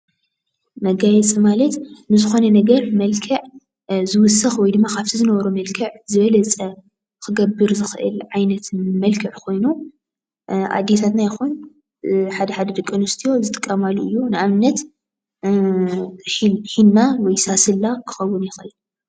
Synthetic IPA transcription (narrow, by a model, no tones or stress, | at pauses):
mɐɡajɛt͡sʼɨmalɐt̪nɨzɨxo̞nɐnɐɡɐɾmɐlkʰɐʕ | zɨwʊsɐxwɔjd̪ɨmːakʰaβt̪ʰizɨnɐβɐɾumɐlkʰɨʕzɨβɐlɐt͡sʼɐ | kʰɨɡɐbːɨɾzɨxɨʔɨ̰lʕajnɐt̪mɐlkʰɨʕkʰo̞jnu | ʔa̰d̪ːjet̪ʰat̪najɪxun | ħad̪ɐħad̪ɐd̪ɨkʼːɨnʊst̪ʰijo̞zɨt̪ʼɨ̥kʼːɐmaluɨjːunɨʔamnːɐt̪ | ħinːawɔjsasɨlːakʰɨ̥xɐwːʊnjɪxɨʔɨn